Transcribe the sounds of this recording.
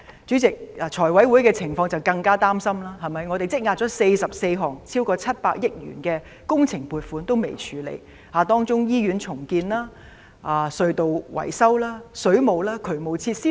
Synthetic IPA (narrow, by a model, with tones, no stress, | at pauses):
t͡ʃyː˨˥t͡sɪ˨k̚a˨˧t͡ʃʰɔː˨˩jwɐ˨˥jwu˨˥jkɛː˧t͡sʰɪ˨˩ŋfɔː˧ŋt͡sɐ˨˩wkɐ˧ŋkaː˥t̪aː˥msɐ˥mlaː˥ɦɐ˨˩mɐ˨jŋɔ˨˧e˨t͡sɪ˥k̚ŋaː˨t̚t͡ʃɔː˨˥se˧jsɐ˨p̚se˧jɦɔː˨˩ŋt͡sʰiː˥wkɔː˧t͡sʰɐ˥t̚paː˧k̚jɪ˥k̚jy̰ː˨˩nkɛː˧ | kʊ˥ŋt͡sʰɪ˨˩ŋpuː˨t̚fuː˨˥nt̪o˥wmḛ˨˩jt͡ʃʰyː˨˥lḛ˨˩j | haː˨˧t̪ɔː˥ŋt͡sʊ˥ŋjiː˥ɥyː˨˥nt͡sʰʊ˨˩ŋkiː˧nlaː˥ | ʔaː˨˧sɵ˧ɥt̪o˨wwɐ̰˨˩jsɐ˥wlaː˥sɵ˨˥ɥmo˨wlaː˥kʰɵ˨˩mo˨˧wt͡sʰiː˧t̚siː˥